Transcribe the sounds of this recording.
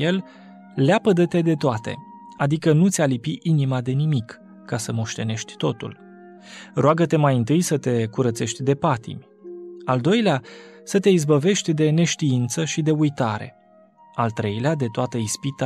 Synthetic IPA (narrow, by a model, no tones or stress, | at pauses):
el | leapəd̪ət̪e̞d̪e̞t̪oat̪e̞̰ | ad̪ikənut̪sʲalipiʔinimad̪e̞nimikː | asəmo̞ʃt̪e̞ne̞ʃt̪ʲt̪o̞t̪ṵl | roaɡət̪e̞majɨnt̪ɨjsət̪e̞kuɾət̪se̞ʃt̪ʲd̪e̞pat̪ḭmʲ | ald̪o̞jleasət̪e̞izbəve̞ʃt̪ʲd̪e̞ne̞ʃt̪iint̪səʃid̪e̞ujt̪aɾe̞̰ | alt̪ɾe̞jlead̪e̞t̪oat̪əispit̪